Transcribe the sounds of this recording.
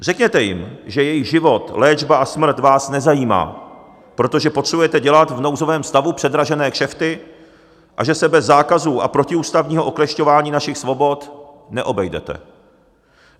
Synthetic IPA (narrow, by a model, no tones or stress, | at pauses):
r̝̥ɛkɲɛt̪ɛjɪ̰mʒɛjɛjɪɣʒɪvo̞t̪lɛːd͡ʒbaʔasmɾ̩t̪vaːsnɛzajiːma̰ː | pɾo̞t̪o̞ʒɛpot̪r̝̥ɛbujɛt̪ɛɟɛlat̪vno̞wzo̞vɛːmst̪avupr̥ɛd̪ɾaʒɛnɛːkʃɛft̪ɪ | ʔa̰ʒɛsɛbɛzːaːkazuːʔa̰pɾo̞cɪuːst̪avɲiːɦoʔoklɛʃco̞vaːɲiːnaʃɪxsvo̞bo̞t̪ | nɛʔo̞bɛjdɛ̰t̪ɛ̰